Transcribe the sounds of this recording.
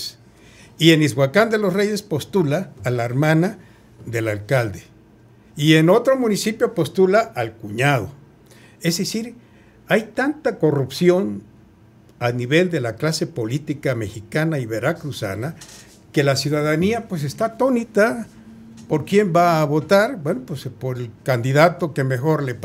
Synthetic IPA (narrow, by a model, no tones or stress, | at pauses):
s | ienizβwakand̪elosrejespo̞st̪ulaːlaeɾmãna | ðelalkald̪e | ienot̪ɾomunisipjopost̪ulaʔalkuɲað̞o̰ | ezðesiɾ | ajt̪ant̪ako̞rupsjon | aniβe̞ld̪e̞laklase̞po̞lit̪ikame̞xikanaiβeɾakɾusa̰na | kelasjuðaðaniapwes̬est̪at̪o̞nit̪a | po̞ɾkje̞mbaːβo̞t̪aɾbwenopwespoɾelkand̪iðat̪okemexo̞ɾlep